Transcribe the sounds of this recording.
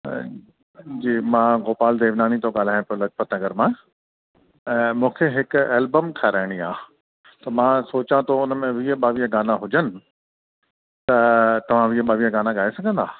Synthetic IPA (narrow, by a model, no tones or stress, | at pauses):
d͡ʑiːmãːɣoːpaːld̪eːʋnaːnit̪ʰoɠaːl̤aːj̃pːlɐd͡ʑpət̪nɐɡəɾmãː | mũːkʰeɦɪkeːlbəmkʰaɾaːɪɽ̃iaː | t̪ɐmãsoːt͡ɕãt̪ʰoʊnəmẽʋiːəɓaːʋiəɡaːnaɦʊd͡ʑənɪ̆ | t̪ɐt̪ɐʋ̤ãʋiəɓaːʋiːəɡaːnaɠaːesɐɡʱə̃nd̪aː